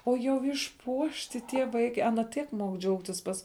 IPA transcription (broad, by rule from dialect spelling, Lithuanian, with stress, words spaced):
oː jɛʊ ɪʃˈpuɔʃʲtʲɪ tʲiɛ ˈʋɐɪkʲɛ ˈɑːnɐ ˈtʲiɛk muɔk ˈd͡ʒʲɛʊktʲɪs ˈpɐs